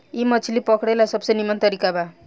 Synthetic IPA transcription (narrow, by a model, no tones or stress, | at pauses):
imʌt͡sʰilipɔkɽajlasʌbsʌjnimant̪ʌɾikaba